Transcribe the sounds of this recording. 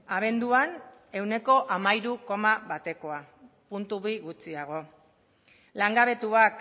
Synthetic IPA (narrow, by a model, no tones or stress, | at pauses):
aβ̞e̞nd̪uane̞wne̞ko̞ʔamajɾuko̞maβat̪e̞ko̞a | punt̪uβiɣut͡siaɣ̞o̞ | laŋɡaβe̞t̪uak